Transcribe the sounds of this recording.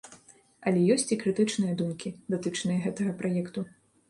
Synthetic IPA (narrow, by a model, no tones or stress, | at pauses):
ɐlʲɛjɔsʲt͡sʲikɾɨt̪ɨt͡ʂnɨjɐd̪umkʲid̪at̪ɨt͡ʂnɨjɐɣɛt̪ɐɣɐpɾajɛkt̪u